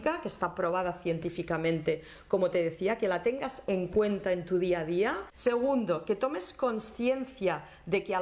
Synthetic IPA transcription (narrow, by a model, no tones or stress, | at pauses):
kakest̪apɾo̞β̞að̞aθje̞nt̪ifikamẽnt̪e | ko̞mot̪eð̞eθiake̞lat̪eŋɡaseŋkwe̞nt̪aent̪uðiað̞iase̞ɣund̪o̞ke̞t̪o̞me̞sko̞nsθje̞nθja | ðe̞kea